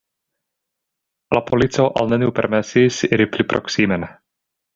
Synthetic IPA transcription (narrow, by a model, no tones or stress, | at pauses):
lapʰolit͡soʔa̰lnɛniwpɛ̰ɾmɛsisiɾiplipɾo̰ksimɛn